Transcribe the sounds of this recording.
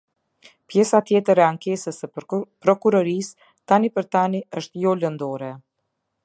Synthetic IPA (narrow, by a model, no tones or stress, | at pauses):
pjɛsat̪jɛt̪əɾɛaŋkɛsəsəpɾɔkuɾɔɾis | t̪anipəɾt̪aniəʃt̪jɔlənd̪ɔɾɛ